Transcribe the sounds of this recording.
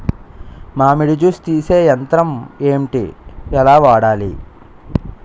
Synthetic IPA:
maːmiɽid͡ʒust̪iːseːjɐnt̪ɾɐme̞ːɳʈḭɛlaːʋaːɽaːlḭ

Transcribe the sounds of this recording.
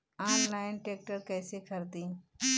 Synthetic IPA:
aːnlaːɪnʈeːk̚ʈəɾkɛːsekʰəɾd̪ĩː

